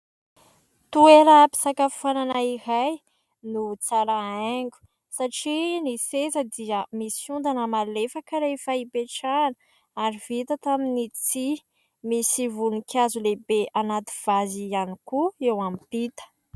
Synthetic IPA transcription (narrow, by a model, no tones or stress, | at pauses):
t̪ueɾəpi̥sakaffananaiɾaj | nut͡saɾaaŋɡʲu̥ | saʈ͡ʂinisezəd̪iəmisund̪anəmalefakəɾefaipeʈ͡ʂanə | aɾivit̪ət̪aminit͡si | misivunikʰʲazulebeʔanat̪i̥v̥azianikuewampit̪ə̥